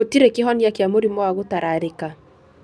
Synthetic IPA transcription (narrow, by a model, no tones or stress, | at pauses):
otiɾekɪɦɔnjakjamoɾimɔwaɣotaɾaɾeka